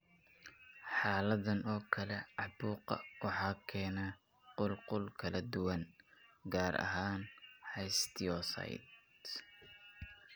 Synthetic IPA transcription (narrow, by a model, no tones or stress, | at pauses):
ħɑːlɐðɐnɔːkʰɐlɛʕɑbuːqɐ̰wɑħɑːkʰɛːnɐ | qʊlqʊlkʰɐlɐd̪ʊwɐnɡaːɾɐ̰ɦaːnhɛjst̪ʰɪɔsɐ̰jd̪